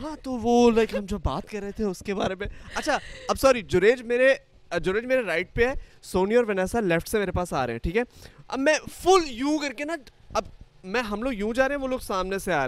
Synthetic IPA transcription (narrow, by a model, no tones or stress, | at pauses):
ɦãːt̪oʋolɐkɦɐmd͡ʒoːbaːt̪kɐɾːɛɦet̪ʰeʊskeba̰ːɾemẽɐtːʃʰaɐbsɔːɾid͡ʒʊɾeːd͡ʒmeːɾe | d͡ʒʊɾeːd͡ʒmeːɾeɾaːɪʈ̚peɦɛːsoːniɔːɾʋɐnɛːsalɛfʈsemeːɾepaːsaːɾḛɦɛ̰̃ʈʰiːkɦɛːɐ̰bmɛ̃ːfʊljũːkɐɾkenaɐb | mɛ̃ːɦɐmloːɡjũːd͡ʒaːɾeɦɛ̃ʋoloːɡsaːmneseaːɾe